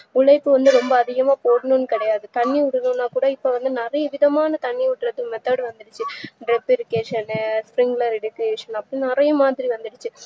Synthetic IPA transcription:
ʊɭɐɪpːɯʋɐnd̪ɯɾɔmbɐːðɪɣɐmaːpoːɽɯnunːɯkɪɽɐjaːðɯt̪ɐɳːiʊɽɯnũnːaːkuːɽɐɪpːoʋɐnd̪ɯnɪrɐjɐʋɪðɐmaːnɐt̪ɐɳːiʊʈːɪɾɐt̪ːɯkmɛt̪ːaːɽɯʋɐnd̪ɯɽɯt͡ʃːɯɖɾɛpːɪɾɯkeːʂɐnspɾɪŋɡlɐɾɛɽɯkːeːʂɐnɐpːɐɽĩnɪrɐjɐmaːðɪɾiʋɐnd̪ɯɽɯt͡ʃːɯ

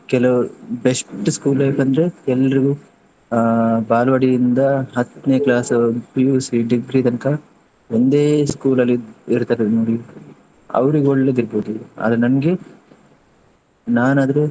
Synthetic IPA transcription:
kɛlɐubesʈɨskuːlɐpːɐnd̪ɐɾeɛlːɐɾiɡu | baːlɐʋɐɽijind̪ɐɦɐt̪ːneːklaːsɐpijuːsiɖiɡɾiːt̪ɐnɐkɐ | ond̪eːskuːlɐlːiiɾt̪aːɾenoːɽi | ɐ̰ʋɐɾiɡoɭːed̪iɾboːd̪uɐ̰ːd̪ɾenɐnɐɡe | naːnaːd̪ɐɾu

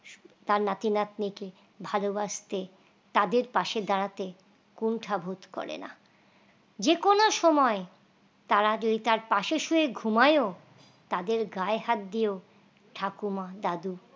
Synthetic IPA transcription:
t̪aɾnat̪inat̪nike | bʱalobaʃt̪e | t̪ad̪eɾpaʃed̪aɽat̪e | kuɳʈʰabʱot̪kɔ̰ɾḛna̰ | d͡ʑekonoʃɔmɔe | t̪aɾad͡ʑod̪it̪aɾpaʃeʃueɡʱumajo | t̪ad̪eɾɡaeɦat̪̚d̪io | ʈʰakumad̪ad̪u

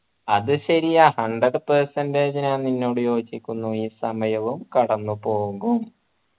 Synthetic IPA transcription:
ɐðɨɕɐɾijahɐɳɖɐɖpɐrsɐnded͡ʑɐnaːnninːo̞ːɽujo̞ːd͡ʑikʲːunːuiːsɐmɐjɐʋumkɐɽɐnːupo̞ːɣum

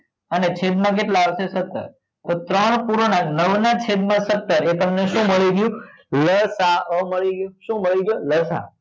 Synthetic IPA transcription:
ənet͡ʃʰed̪mãk̬eʈlaʋʃesət̪ːə̰ɾ | t̪ot̪ɾəɳpuɾonanəʋnat͡ʃʰed̪mãsət̪ːəɾet̪əmneʃũməɭiɡjũ | ləɾsaəməɭiɡjũʃũməɭiɡjoləɾsa̰

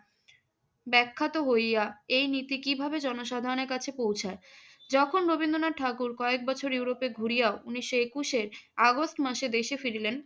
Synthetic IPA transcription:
bɛkʰːat̪oɦojaejnit̪ikibʱabed͡ʑɔnoʃad̪ʱaɾoneɾkat͡ɕʰepowt͡ɕʰae | d͡ʑɔkʰonɾobind̪onaʈʰakuɾkɔek̚bɔt͡ɕʰoɾjuwɾopeɡʱuɾijaouniʃːoekuʃeɾaɡosʈmaʃed̪eʃefiɾilen

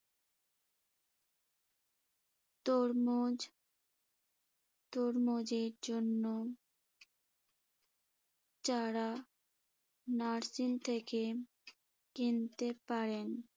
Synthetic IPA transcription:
t̪oɾmod͡ʑ | t̪oɾmod͡ʑeɾd͡ʑonːo | t͡ɕaɾa | naɾsint̪ʰeke | kent̪epaɾen

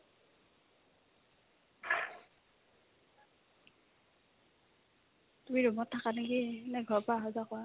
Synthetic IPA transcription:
t̪umiɹɔmɔtʰːakanakinɛɡʱɔpaɦɔzakɔa

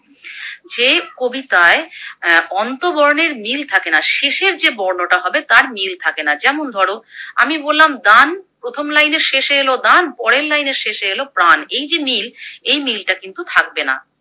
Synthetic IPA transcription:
d͡ʑekobit̪ae | ɔnt̪obɔɾoneɾmilt̪ʰakenaʃeʃeɾd͡ʑebɔɾnoʈaɦɔbet̪aɾmilt̪ʰakenad͡ʑɛmond̪ʱɔɽoa̰mibolːamd̪anpɾot̪ʰomlajneɾʃeʃeelod̪anpɔɽelːajneɾʃeʃeelopɾanejd͡ʑemilejmilʈakint̪ut̪ʰak̚bena̰

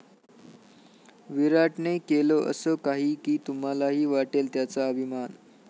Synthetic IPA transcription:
ʋiɾaʈɳekeloʔə̰səkaɦiːkiːt̪um̤alaɦiːʋaʈelt̪jat͡saəbʱiman

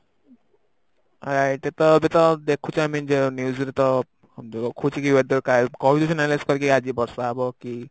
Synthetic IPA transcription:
ɔɾajʈet̪ɔbet̪ɔd̪ekʰut͡ʃʰamind͡ʒenjuzɾet̪ɔ | ɔɔkʰut͡ʃʰikiwed̪ɔɾkakɔbit̪ud͡ʒɔnalaskɔɾikiad͡ʒibɔɾsaabɔki

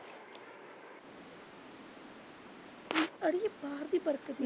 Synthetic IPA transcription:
ɐɽɪjɐpːaːɾðipɐɾɐkːɐði

